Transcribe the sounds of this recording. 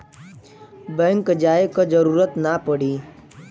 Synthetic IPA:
bɛ̃ŋkd͡ʒaːekəd͡ʒəɾuːɾət̪napəɽiː

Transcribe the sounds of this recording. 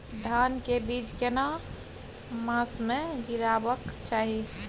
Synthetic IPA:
d̪ʱankebid͡ʒkena | mãsmeɡiɾabəkt͡ʃaɦi

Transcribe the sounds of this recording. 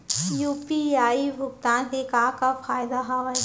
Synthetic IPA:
juːpiaːibʱʊɡt̪aːnɦekakafaːjd̪aɦaʋɐ

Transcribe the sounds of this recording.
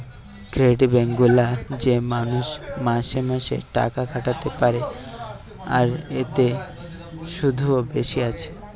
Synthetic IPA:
kɾeɖbeŋɡulad͡ʑemanuʃmaʃemaʃḛʈa̰kakʰaʈat̪epaɾe | a̰ɾet̪e | ʃud̪ʱuobeʃiat͡ɕʰe̥

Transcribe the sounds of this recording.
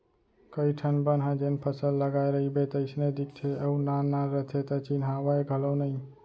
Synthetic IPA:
kəiʈʰənbənɦãd͡ʒenpʰəsəlːəɡajɾəɦibet̪əɪsned̪ik̚t͡ʃ̪ʰeəunanaːət̪ʰet̪ət͡ʃinɦawaeɡʱəlonəj

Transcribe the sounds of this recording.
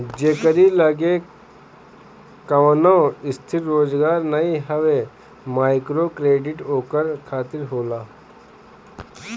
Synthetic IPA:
d͡ʒeːkəɾiləɡe | kɐʋnaːɪst̪ʰɪɾːoːzɡaːɾnɐiɦəʋe | maːɪkɾoːkɾeːɖɪʈoːkəɾkʰaːt̪ɪɾɦoːlaː

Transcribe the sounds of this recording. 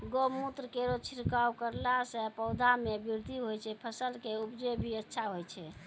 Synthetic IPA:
ɡomut̪ɾəkeɾot͡ʃʰiɾkawkəɾlasɛpəwd̪ʱamebiɾd̪ʱiɦojt͡ʃʰɛpʰəsəlkeupd͡ʒebʱiətːʃʰaɦojt͡ʃʰɛ

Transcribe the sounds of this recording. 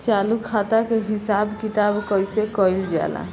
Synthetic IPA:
t͡ʃalukʰat̪akeɦisabkit̪abkəjsekəjld͡ʒa̰la̰

